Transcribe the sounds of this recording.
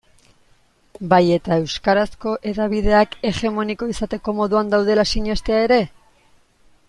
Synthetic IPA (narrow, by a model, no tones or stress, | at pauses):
baje̞t̪ae̞wskaɾasko̞ʔe̞ðaβið̞e̞ake̞ɣe̞mo̞niko̞isat̪e̞ko̞mo̞ðuand̪awð̞e̞lasiɲe̞st̪e̞ae̞ɾe̞